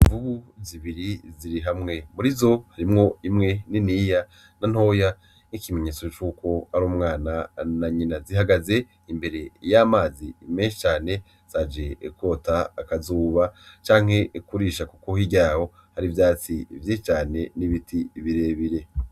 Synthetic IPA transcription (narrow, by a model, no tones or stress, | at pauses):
ivuβuziβiɾiziɾiɦamŋe̞muɾizo̞haɾimŋo̞imŋe̞niniːja | nan̥ho̞ja | ŋikime̞ɲe̞ːt͡sot͡ʃuːko̞aɾuːmŋaːnanaɲinaziɦaɡaze̞ | imbe̞ɾe̞jamaːzime̞ːnʃi̥t͡ʃaːne̞ | z̥ad͡ʒe̞ko̞ːtaːkazuːβat͡ʃaːŋ̥he̞kuɾiːʃakuko̞hiɟaːho̞ | haɾivjdaːt͡sḭvjiʃit͡ʃaːne̞niβitʰiβiɾe̞ːβiɾe̞